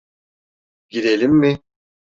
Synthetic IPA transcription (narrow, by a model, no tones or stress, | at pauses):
ɟiɾelʲimːɪ